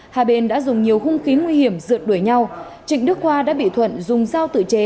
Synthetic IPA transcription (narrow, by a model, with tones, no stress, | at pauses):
haː˨˧˩ɓe˧˩nɗa̰ː˧˥zʊ˨˩ŋ͡mɲi˨˩əwxʊ˧ŋ͡mxi˨˦ŋwi˧hi˧˩əmzɨ̰˧˨ət̚ɗu˧˩jɲa˧w | t͡ɕḭ̈˧˨ŋ̟ɗɨ˦˥ək̚hwaː˧ɗa̰ː˧˥ɓḭ˧˨t̪ʰwə̰˧˨nzʊ˨˩ŋ͡mzaː˧wt̪ɨ̰˧˨t͡ɕe˨˦